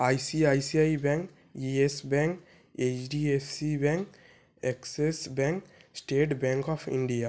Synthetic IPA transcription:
ajsiajsiajbɛ̃ŋk | iesbɛ̃ŋk | et͡ʃɖiesibɛ̃ŋk | eksesbɛ̃ŋksʈeːʈbɛ̃ŋkɔpʰḭ̃ɳɖija

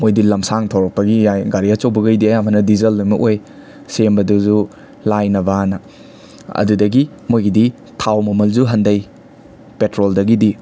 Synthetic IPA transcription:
mojdilɐmsaŋtʰɐwɾɐk̚pɐɡijajɡaɾiɐt͡ʃɐwbɐɡɐjdiɐjamʰɐnɐdizɐlːumɐʔoj | sembɐduzu | lajnɐbanɐ | ɐ̰dudɐɡi | mojɡidi | tʰawmɐmɐld͡ʒuɦɐndɐj | petɾoldɐɡidi

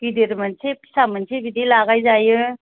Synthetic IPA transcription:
kideɾmɐnsepi̥samənsebidilaɡajzajɯ

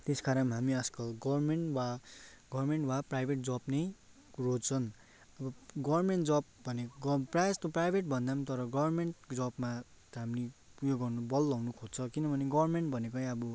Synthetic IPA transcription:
t̪eskaɾʌmɦamiʌskʌɡʌrmeɳʈwaɡʌrmeɳʈwaprajbʱeʈ̚d͡zʌpnʌj | rot͡sʰʌn | ʌbʌɡʌbrmeɳʈd͡zʌb̚bʱʌnekɡʌprajd͡zt̪oprajbʱeʈ̚bʱʌnd̪amt̪ʌɾʌɡʌbʌrmeɳʈd͡zʌbma | ɦamnijoɡʌrnubʌlːʌwnukʰot͡sʰʌkinʌbʱʌneɡʌbrmeɳʈbʱʌnekʌjʌbu

